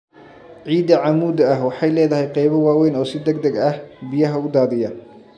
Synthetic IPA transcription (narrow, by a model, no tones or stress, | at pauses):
ʕiːd̪ɐʕɑmuːd̪ɐɐhwɑħɑjlɛːðɐɦɛjqɛjβɐwaːwɛjnɔːsɪd̪ɐɡd̪ɐɡɐhbɪjɐɦɐʊd̪aːðɪjɐ